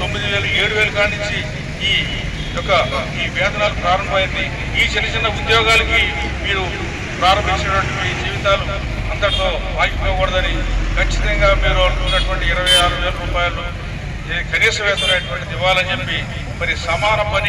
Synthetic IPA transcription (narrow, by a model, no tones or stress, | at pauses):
t̪o̞mːid̪iʋeːlɐueːɽuʋeːluɡaːnunt͡ʃiː | jɔkɐ | iːʋɛːd̪ʱɐnaːlupɾaːɾɐmbɐjind̪i | iːd͡ʒɐnɐt͡ʃɛnɐud̪jɔːɡaːlɐki | miːɾu | pɾaːɾɐmbʱiɲt͡ʃɐnɐʈʋɐɳʈiʋid͡ʒiːʋit̪aːlu | ɐnd̪ɐɽɐt̪oː | aːjpkɐːkuːɽɐd̪ɐnikɐt͡ʃːi̥t̪ɐŋɡaːmiːɾounːɐʈʋɐɳʈiːɾɐʋɐjaːɾuʋe̞ːlɐɾuːpaːjɐlu | kɐniːsɐmɛːt̪ɐɐːjɐʈʋɐɳʈid̪iʋaːlɐnt͡ʃe̞pːi | mɐɾisɐmaːnɐpɐni